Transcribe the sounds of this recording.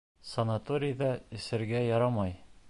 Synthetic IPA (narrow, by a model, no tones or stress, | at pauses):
sɐnat̪oɾʲɪjd̪ɑɘ̆sɘ̆ɾɡæjɒɾɑmɑj